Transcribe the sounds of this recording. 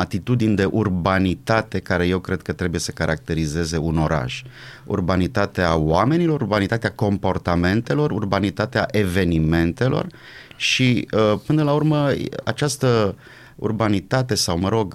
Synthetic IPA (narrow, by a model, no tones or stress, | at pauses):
at̪it̪ud̪inʲd̪e̞ʔurbanit̪at̪e̞kaɾe̞je̞wkɾe̞d̪̥̚kət̪ɾe̞buje̞sə̥kaɾʔak̚t̪e̞ɾize̞ze̞uno̞ɾa̰ʒ̥ | ṵrbanit̪at̪eawame̞nilo̞ɾubanit̪at̪eako̞mpo̞rt̪ame̞nt̪e̞lo̞rurbanit̪at̪eaʔe̞ve̞nime̞nt̪e̞lo̞̰r | ʃiəpɨnəlaurməa̰t͡ʃast̪ə | ṵrbanit̪at̪e̞sawməɾo̞ɡ